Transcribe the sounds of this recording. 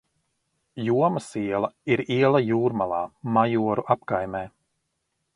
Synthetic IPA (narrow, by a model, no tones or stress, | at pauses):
juɔmasiɛlˠɐiɾiɛlˠajuːɾmalˠa̰ːmajuɔɾuʔapkajmɛː